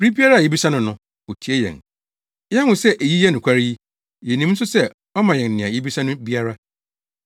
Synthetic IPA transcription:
bɾi˦bi˦a˦ɾa˦˨jɛ˦bi˦sa˦nʊ̃˦nʊ̃˦ | o˨tʰi˨e˦jɛ̰̃˨n | jɛ˦ʊ̃˨sɛ˦ʔe˨ji˦jɛ˦nʊ̃˨kʰʷa˦ɾi˦ji˦ | jɛ˨nĩ˦mn̩˦sʊ˦sɛ˦ | ɔ˦mã˨jɛ̃˨n˨nɪ̃˨a˨ji˦bi˦sã˦nʊ̃˦bi˦a˦ɾa˦

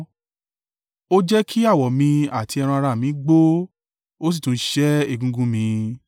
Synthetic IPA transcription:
o˦d͡ʒɛ˦kʰi˦a˦˨wɔ˨mĩ˧a˨ti˨˧ɛ˧ɾ̃ã˧a˧ɾa˧˨mĩ˨˦ɡ͡bo˦ | o˦s̬i˦˨tũ˨˦ʃɛ˦e˦˨ɡũ˧ɡũ˧˦mĩ˧

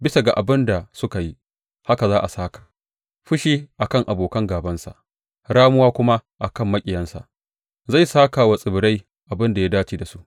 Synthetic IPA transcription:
bɪ˦sa˨ɡa˨ʔa˨bɪ˦nda˨sʊ˦ka˨ji˦ | ha˦ka˨zaː˦ʔa˨saː˦kḁ˨ | ɸʊ˦ʃiː˦ʔa˨kɐ˦ŋʔa˨boː˨kɐ˦ŋɡaː˨bɐ˦nsa̰˨ʔ | ɽaː˦mʊ˦waː˦kʷʊ˦ma˦ʔa˨kɐ˦˨mːɐ˦kʲʼɪ˨jɐ˦nsa̰˨ʔ | za˦˨jsaː˦ka˨wɐ˨sʼɪ˨bɪ˨ɽa˦j | ʔa˨bɪ˦nda˨ja˦daː˦t͡ʃiː˦da˨su˦ʔ

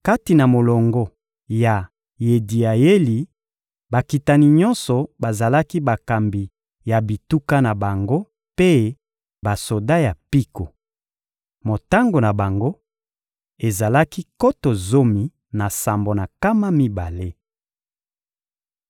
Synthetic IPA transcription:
ka˦ti˨na˨mo˨lɔ˨ŋɡɔ˦ | ja˨ | je˨di˨a˨je˦li˨ | ba˨ki˨ta˨ni˨ɲɔ˦nsɔ˨ba˨za˨la˦ki˦ba˨ka˨mbi˨ | ja˨bi˨tu˦ka˦na˨ba˨ŋɡo˦ | pe˦ | ba˨so˨da˦ja˨pi˦ko˨ | mo˨ta˦ŋɡo˨na˨ba˨ŋɡo˦ | e˨za˨la˦ki˦ko˦to˨zo˦mi˨ | na˨sa˨mbo˨na˨ka˦ma˦mi˦ba˨le˦

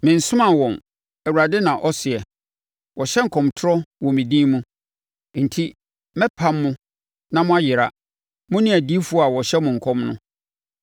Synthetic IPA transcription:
mɪ̃˨n̩˨sʊ̃˦mã˨wɔ̃˨n | ɛ˨wu˨ɾa˨dɪ˦nã˨ʔɔ˦sɪ˨ɛ˨ | wɔ˨ɕɛ˦ŋ̩˨kʰɔ̃˨mtʰʊ˦ɾɔ˦wɔ̃˨mĩ˨dĩ˦mũ˦ | n̩˨tʰi˦ | mɛ˦pʰã˦mːʊ̃˦ | nã˦mʊ̃˦a˦jɪ˨ɾa̰˨ | mʊ̃˦nɪ̃˦æ˨di˦fu˦ɔ˦a˨wɔ˨ɕɛ˦mʊ̃˨ŋ̩˨kʰɔ̃˦mnʊ̃˦

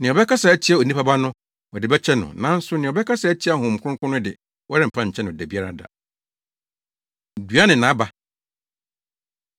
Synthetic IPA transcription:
nɪ̃˨ɔ˨bɛ˦ka˦sa˨æ˦t͡ɕʰi˦a˨o˨nĩ˦pʰa˦ba˦nʊ̃˦ | wɔ˨dɪ˨bɛ˦t͡ɕʰɛ˦nʊ̰̃˨nã˨˦n̩˦sʊ˦nɪ̃˨ɔ˨bɛ˦kʰa˦sa˨æ˦t͡ɕʰi˦a˦˨ɦʊ̃˨m̩˨kʰʷʊ˦ʊ̃˦kʰʊ˦nʊ̃˦dɪ̰˨ | wɔ˦ɾɪ˦m̩˨pʰã˦˨ɲ̩˨t͡ɕʰɛ˦nʊ̃˨ɔ˨dæ˨bi˦a˦ɾa̰˦da̰˨ | dɥa˦nɪ̃˨nã˨˦ba˨

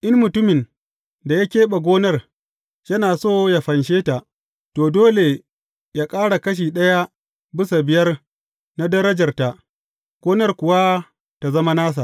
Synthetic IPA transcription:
ʔɪ˦nmʊ˨tʊ˦mɪ˨n | da˨ja˦kʲeː˦ɓa˨ɡʷoː˦nɐ˦r | jɐ˦naː˨soː˦ja˨ɸɐ˨nʃeː˦ta˨ʔ | toː˨doː˦le˨ | jaː˦kʼaː˦ɽa˨kɐ˦ʃ̬iː˨ɗɐ˦ja˦ | bɪ˦sa˨bɪ˨jɐ˦r | na˦dɐ˦ɾɐ˦d͡ʒɐ˨rta˨ʔ | ɡ̥ʷoː˦nɐ˦rkʷʊ˨wa˦ | ta˨zɐ˦ma˦naː˦s̬a˨ʔ

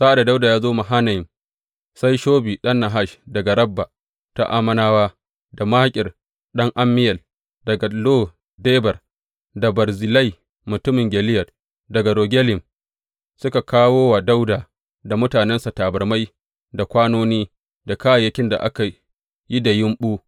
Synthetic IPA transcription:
sa˦ʔa˨da˨da˦wda˨jaː˦zoː˦ma˨ɦa˦na˨jɪ˨m | sa˦jʃoː˦biː˨ɗɐ˦nːa˨ɦa˦ʃdɐ˨ɡa˨ɾɐ˦bːa˨ | ta̰˦ʔa̰˦mɐ˦naː˦waː˦ | da˨maː˦kʲʼɪ˨r | ɗɐ˦ŋʔa˦mːɪ˦jɐ˨l | d̥ɐ˨ɡa˨loː˦ | deː˦bɐ˨r | da˨bɐ˨rzɪ˨la˦j | mʊ˨tʊ˦mɪ˨ŋɡʲɛ˨lɪ˦jɐ˨r | dɐ˨ɡa˨ɾoː˨ɡʲɛ˦lɪ˨m | sʊ˦ka˨kʰaː˦woː˦wa˨da˦wdaː˨ | da˨mʊ˦taː˨nɛ˦nsa˨taː˨bɐ˨rma˦j | da˨kʷaː˦noː˦niː˦ | da˨ka˦a˨jɐ˦kʲɪ˦nda̰˨ʔa̰˦ka˨ | ji˦da˨jɪ˦mɓuː˦

